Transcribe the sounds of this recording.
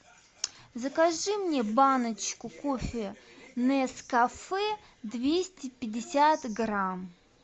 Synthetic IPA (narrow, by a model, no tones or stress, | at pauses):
zəkaʐɨmnʲebanət͡ɕkʊkofʲɪnɛskɐfɛ | d̪vʲesʲtʲɪpʲɪdʲɪsʲat̪ɡram